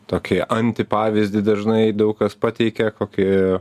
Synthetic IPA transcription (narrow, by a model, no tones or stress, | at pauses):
t̪oːkʲɪʔɐnʲt̪ʲɪpɑːʋʲɪzʲd̪ʲɪd̪ɐʒnɐɪd̪ɐʊkkɐspɑːt̪ʲɛɪkʲɛkoːkʲɪ